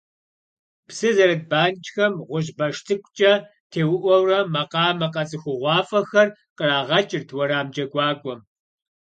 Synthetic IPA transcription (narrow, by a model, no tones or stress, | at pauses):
psɨzɐɾɐd̚baːnt͡ʃʼxɐmʁʷʊʒbɐʃtʰɨkʷʰʼt͡ʃʼɐ | tʰeːwʊʔʷɔwrɐmɐqɑːmɐqɐt͡sʼɨxʷʊʁʷɑːfʼɐxɐrqəraːʁɐt͡ʃʼɪrtʰwɔɾaːmd͡ʒɐɡʷʼɑːkʷʼɔm